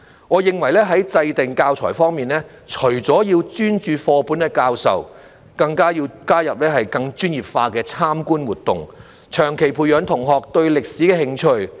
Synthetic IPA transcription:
ŋɔː˨˧jɪ˨ŋwɐ˨˩jlɛː˥ɦɐ˨˥jt͡sɐ˧jt̪ɪ˨ŋkaː˧wt͡sʰɔ̰ː˨˩jfɔː˥ŋmiː˨nlɛː˥ | t͡ʃʰɵ˨˩ɥt͡sɔː˨˥jiː˧wt͡ʃyː˥nt͡ʃyː˧fɔː˧pu˨˥nɛː˧kaː˧wsɐ̰˨w | kɐ˧ŋkaː˥jiː˧wkaː˥jɐ˨p̚lɛː˥hɐ˨jkɐ˧ŋt͡ʃyː˥njiː˨˩p̚faː˧kɛː˧t͡sʰaː˥mkuː˥nwuː˨t̚t̪ʊ̰˨˩ŋ | t͡ʃʰœː˨˩ŋkʰe˨˩jpʰuː˧jœː˨˥nt̪ʰʊ˨˩ŋɦɔː˨k̚t̪ɵ˧ɥlɪ˨k̚siː˨˥kɛː˧hɪ˧ŋt͡ʃʰɵ˧ɥ

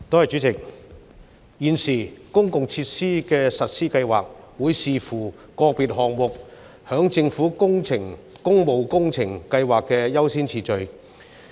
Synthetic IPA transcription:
t̪oː˥hɐ˨jt͡ʃy˨˥t͡sɪ˨˩k̚ | jiː˨nsiː˨˩kʊ˥ŋkʊ˨ŋt͡sʰiː˧t̚siː˥kɛː˧sɐ˨t̚siː˥kɐ˧jwa̰ː˨k̚ | wuː˨˧jsiː˨fuː˨˩ | kɔː˧k̚piː˨t̚ɦɔː˨ŋmʊ˨k̚ | hœː˨˥ŋt͡sɪ˧ŋfuː˨˥ʊ˥ŋʰɪ˨˩ŋ | kʊ˥ŋmo˨wkʊ˥ŋt͡sʰɪ˨˩ŋkɐ˧jwaː˨kːɛː˧jɐ˥wsiː˥nt͡sʰiː˨˩t͡ʃɵ˨˧ɥ

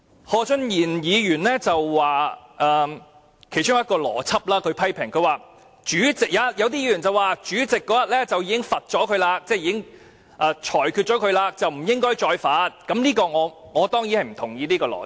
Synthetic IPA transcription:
hɔː˧t͡ʃɵ˥njiː˨˩njiː˨˧jyː˨˩nlɛː˥t͡sɐ˨wːaː˨ʔɐː˧ | kʰe˨˩jt͡ʃʊ˥ŋjɐ˥t̚kɔː˧lɔ̰ː˨˩t͡sʰɐ˥p̚laː˥kʰɵ˨˧ɥpʰɐ˥jpʰɪ˨˩ŋkʰɵ˧ɥwaː˨˧ | t͡ʃyː˨˥t͡sɪ˨˩k̚jaː˨˧jɐ˨˧wt̪̬iː˥jiː˨˧jyː˨˩nt͡sɐ˨waː˨t͡ʃyː˨˥t͡sɪ˨kːɔː˨˥jɐ˨t̚lɛː˥t͡sɐ˨wjiː˧˥kɪ˥ŋfɐ˨t̚t͡ʃɔː˨˥kʰɵ˧laː˧t͡sɛː˥˧jiː˧kɪ˥ŋ | ʔaː˧t͡ʃʰɔː˨˩jkʰy˧t̚t͡ʃɔ˨˥kʰɵ˨˧laː˧k̚t͡sɐ˨wm̩˨˩jɪ˥ŋkɔː˥jt͡ʃɔː˧jfaː˨˥t̚kɐ˨˥mliː˥kɔː˧ŋɔː˨˧ŋɔː˨˧t̪ɔː˥ŋji˨˥hɐ˨jm̩˨˩t̪ʰʊ˨˩ŋjiː˨˧liː˥kɔː˧lɔ̰ː˨˩

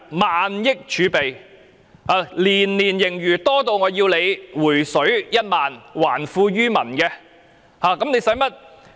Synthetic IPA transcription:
maː˨njɪ˥k̚t͡ʃʰyː˨˧pe˨j | haː˨˧liː˨˩nliː˨˩njɪ˨˩ŋjyː˨˩t̪ɔː˥t̪o˧wŋɔː˨˧jiː˧wle˨˧jwuː˨˩jsɵ˨˥ɥjɐ˥t̚maː˨nwaː˨˩nfuː˧ɥyː˥mɐ˨˩nkɛ˧ | haː˨˧kɐ˨˥mne˨˧jsɐ˨˥jmɐ˥t̚

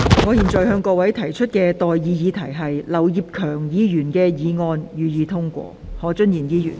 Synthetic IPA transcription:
ŋɔː˨˧jiː˨˩nt͡sɔ˨˩jhœː˧ŋkɔː˧wɐ˨˥jt̪ʰɐ˨˩jt͡ʃʰɵ˥t̚kɛː˧t̪ɔː˨jjiː˨˧jiː˨˧t̪ʰɐ˨˩jɦɐ˨jlɐ˨˩wji˨p̚kʰœː˨˩ŋjiː˨˧jyː˨˩nkɛː˧jiː˨˧ŋɔː˧njyː˨jiː˨˧t̪ʰʊ˥ŋkʷɔ̰ː˧hɔː˨˥t͡ʃɵ˥njiː˨˩njiː˧˥jy̰ː˨˩n

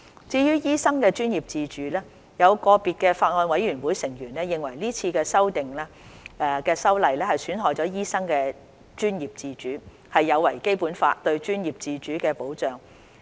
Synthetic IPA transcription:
t͡siː˧jyː˥jiː˥sɐ˥ŋkɛː˧t͡ʃyː˥njiː˨˩p̚t͡siː˧t͡ʃyː˨˥lɛː˥ | jɐ˨˧wkɔː˧piː˨t̚kɛː˧faː˧t̚ŋɔː˧nwɐ˨˧˥jɥyː˨˩nwuː˨˥jsɪ˨˩ŋjyː˨˩nɛ˥jɪ˨ŋwɐ˨˩jliː˥t͡sʰiː˧kɛː˧sɐ˥wt̪ɪ˨ŋlɛː˥ɛ˧kɛː˧sɐ˥wlɐ˨jlɛː˥hɐ˨jsyː˨˥nɦɔː˨jt͡sɔː˨˥jiː˥sɐ˥ŋkɛː˧ | t͡ʃyː˥njiː˨p̚t͡siː˧t͡ʃyː˨˥ | hɐ˨jːɐ˨˧wɐ˨˩jke˥jpuː˨˥nfa̰ː˧t̚t̪ɵ˧ɥt͡ʃyː˥njiː˨p̚t͡siː˧t͡ʃyː˨˥kɛː˧po˨˥wt͡ʃœː˨ŋ

